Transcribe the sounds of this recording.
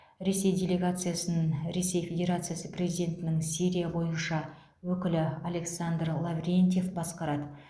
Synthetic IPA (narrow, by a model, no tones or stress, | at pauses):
ɾe̞se̞jd̪ʲe̞lʲe̞ɡat̪sɨjasənənɾe̞se̞jfʲe̞dʲe̞ɾat̪sɨjasəprʲe̞zid̪ʲe̞nt̪ɪnɪŋsiɾʲijabo̞jənʃɑ | wɵkʲɪlɪale̞ksand̪rlˠavrʲent̪ʲjefbɑsqɑɾɑd̪ə